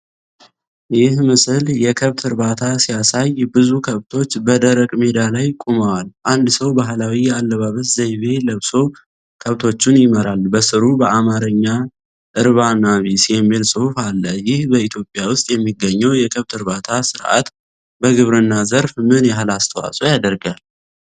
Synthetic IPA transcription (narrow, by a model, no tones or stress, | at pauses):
jɪhmɨsɨljɛkʰəβt̪ʰɨɾbat̪ʰasijasajbɨzukʰəβt̪ʰo̞t͡ʃːbəd̪əɾəkʼmed̪alajkʼuməwalʔand̪səwbaɦlawijɛalːəβaβət̪zejβe̞ləβso̞ | kʰəβt̪ʰo̞t͡ʃːunjɪməɾalbəsɨɾubəamaɾəɲːa | ʔɨɾβanaβisiemelsʼɨhufalːəjɪhbəit̪ʰjo̞pʼjawʊst̪ʼjɛmːiɡəɲːɛwjɛkʰəβt̪ʰɨɾβat̪ʰasɨɾʔa̰t̪ | bəɡɨβɾɨnːazəɾfmɨnjaɦlast̪ʰəwa̰sʼo̞jad̪əɾɡal